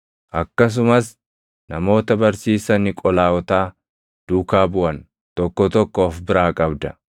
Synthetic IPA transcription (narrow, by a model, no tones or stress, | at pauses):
ʔɐkːɐs̬ʊmɐs | nɐmo̞ːt̪ɐbɐɾsiːsɐnɪkʼɔlaːwɔt̪aː | d̪̥uːkaːbʊʔɐn | t̪ɔkːɔt̪ɔkːoːfbɪɾaːkʼɐbd̪ɐ